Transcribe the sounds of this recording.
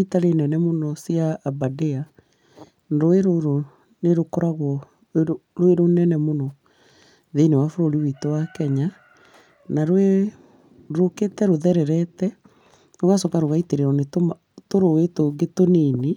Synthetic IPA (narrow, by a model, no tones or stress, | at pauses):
itaɾenɛnɛmonɔsiaːbadea | nɾoeɾoɾo | neɾokɔɾaɣwɔ | ɾweɾonɛnɛmonɔ | ðenewafoɾoɾiwitɔwakɛɲa | naɾwe | ɾoketɛɾoðɛɾɛɾɛtɛ | noɣasɔkaɾoɣaiteɾeɔnetoma | toɾowetoɡetonene